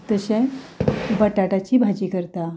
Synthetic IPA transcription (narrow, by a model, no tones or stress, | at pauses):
t̪əɕɛ̃ | bəʈaʈat͡ɕiːbʱad͡ʑiːkəɾt̪a